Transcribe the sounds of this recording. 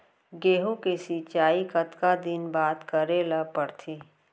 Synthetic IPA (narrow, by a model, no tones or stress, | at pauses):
ɡeːɦũkesit͡ʃaːikət̪kad̪ɪnbaːt̪kəɾelapəɽt̪ʰiː